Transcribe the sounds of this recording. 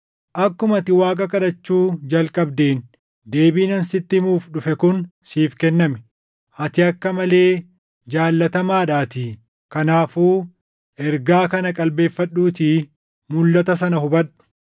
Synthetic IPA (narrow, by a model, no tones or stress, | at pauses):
ʔɐkːʊmɐt̪ɪwaːkʼɐkʼɐᶑɐt͡ʃːuːd͡ʒɐlkʼɐbd̪e̞ːn | d̪e̞ːbiːnɐnsɪt̪ːɪmuːfᶑʊfɛkʊnsiːfkɛnːɐmɛ̥ | ɐt̪ɪɐkːɐmɐle̞ː | d͡ʒaːlːɐt̪ɐmaːᶑaːt̪ɪ | kɐnaːfuː | ʔɛɾɡaːkɐnɐkʼɐlbe̞ːfːɐɗːuːt̪̬ɪ | mʊlːɐt̪ɐsɐnɐhʊbɐᶑʊ̥